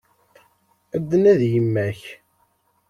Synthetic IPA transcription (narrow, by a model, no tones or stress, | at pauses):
æd̪ːənæðjəmːæç